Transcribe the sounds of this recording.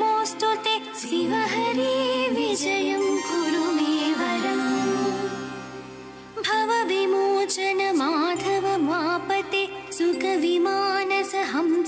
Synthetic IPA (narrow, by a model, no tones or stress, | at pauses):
moːsʈot̪e | siʋɐɦɐɾiʋid͡ʒɐjɐmɡuɾuʋeːʋɐɾɐm | bʱɐʋɐʋimoːt͡ʃɐnɐmaːd̪ʱɐʋɐmaːpɐt̪esukɐʋimaːnɐsɐɦɐm